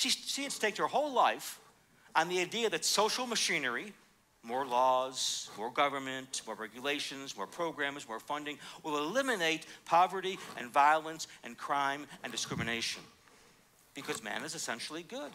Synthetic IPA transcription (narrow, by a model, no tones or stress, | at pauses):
ʃisiɨtstʰeɪkə˞hoʊlaɪf | ə̃nðiaɪdiɨðɨtsoʊʃl̩ˠmɨʃĩnə˞i | mɔɹlɔz̥mɔɹɡʌvə˞mɨ̃nmɔɹɹɛɡjɨleɪʃɨ̃nzmɔ̰ɹpʰɹ̥oʊɡɹæ̃mzmɔɹfʌ̃ndɪ̃ŋwəlˠəlɪ̃mɨneɪt̚pʰɑvə˞ɾiʔɨ̰̃nvaɪlˠə̃nsɨ̃nkʰɹ̥ãɪ̃mɨ̃ndɨskɹ̥ɪmɨneɪʃɨ̰̃n | b̥ɨkʰʌzmæ̰̃nɨzɨsɛ̃nʃl̩ˠiɡʊd̥